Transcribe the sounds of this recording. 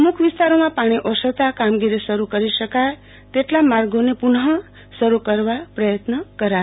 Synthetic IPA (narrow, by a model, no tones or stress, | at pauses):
mukʰʋist̪aɾomãpaɽ̃iʔɔsət̪akamɡiɾisəɾukəɾiʃəkaj | t̪eʈlamaɾɡonepuɳɦə | səɾukəɾʋapɾəjət̪nəkəɾa